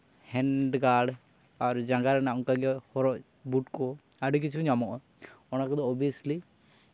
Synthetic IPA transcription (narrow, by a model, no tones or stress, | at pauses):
hɛɳɖɡaɾɖ | aɾd͡ʒãŋɡaɾɛnaɔŋkaɡɛhɔɾɔʔ | buʈkɔ | aɖikit͡ʃʰuɲamɔʔɔ | ɔnakɔd̪ɔɔbiəsli